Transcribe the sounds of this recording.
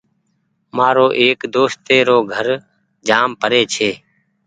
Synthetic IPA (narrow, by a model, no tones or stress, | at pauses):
maːɾoːʔeːkd̪oːst̪eːɾoːɡʱəɾ | d͡ʒaːmpəɾeːt͡ʃʰeː